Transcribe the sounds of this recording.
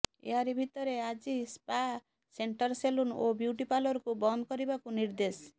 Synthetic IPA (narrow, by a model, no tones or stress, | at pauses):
ḛɦaɾibʱit̪ʌɾead͡zispa | seɳʈʌrseluno̰bjuʈipalʌɾkobʌnd̪kʌɾibakoniɾd̪es